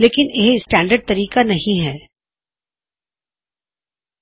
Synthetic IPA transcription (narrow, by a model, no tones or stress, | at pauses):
leːkɪneɦsʈɛ̃ːɳɖəɾɖ̚t̪ɐɾiːkanɐɦĩɦɛː